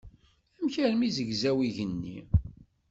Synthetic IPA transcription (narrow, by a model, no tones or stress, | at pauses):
æmçæɾmizəɡzæwiʝənːḭ